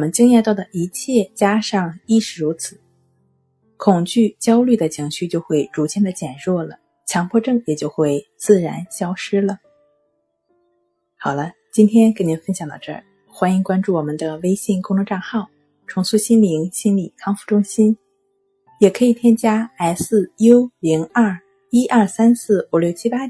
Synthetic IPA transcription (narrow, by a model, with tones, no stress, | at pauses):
mə˦nt͡ɕi˥ŋjɛ˥˧t̪ɑ˥˩ʊd̪ə˩ʔi˧˥t͡ɕʰjɛ˥˩t͡ɕja˥ʂɑ˥˧ŋi˥˩ʂɻ̩˨˩ɻu˧˥t͡sʰɹ̩˨˧˦ | kʰʊ˨˩ŋt͡ɕy˥˩t͡ɕjɑ˥ʊly˥˩d̪ə˩t͡ɕʰi˧˥ŋɕy˥˧t͡ɕjo˥˧ʊxwe˥˩ɪʈ͡ʂu˧˥t͡ɕʰjɛ˥nd̪ə˧t͡ɕjɛ˨˩nɻwɔ˥˩lə˩ | t͡ɕʰjɑ˧˥ŋpʰwɔ˥˧ʈ͡ʂɤ˥˩ŋjɛ˨˩t͡ɕjo˥˧ʊxwe˥˧ɪt͡sɹ̩˥˩ɻa˧˥nɕjɑ˥ʊʂɻ̩˥lə˨ | xɑ˨˩ʊlə˦ | t͡ɕi˥nt̪ʰjɛ˥nke˥ɪni˧˥nfə˥nɕjɑ˨˩ŋt̪ɑ̰˥˧ʊʈ͡ʂɤ̰˞˥˩ | xwa˥ni˧˥ŋkwa˥nʈ͡ʂu˥˩wɔ˨˩mə˦nd̪ə˧we˥ɪɕi˥˩ŋkʊ˥ŋt̪ʰʊ˧ŋʈ͡ʂɑ˥˧ŋxɑ˥˩ʊ | ʈ͡ʂʰʊ˧˥ŋsu˥˧ɕi˥nli˧˥ŋɕi˥nli˨˩kʰɑ˥ŋfu˧˥˩ʈ͡ʂʊ˥ŋɕi˥n | jɛ˨˩kʰɤ˧˥i˨˩t̪ʰjɛ˥nt͡ɕja˥a˧˥ɪsɹ̩˥˩jo˥ʊli˧˥ŋɐ˞˥˩ | i˥ʔɐ˞˥˩sa˥nsɹ̩˥˩u˧˩˥ljo˥˩ʊt͡ɕʰi˥pa˥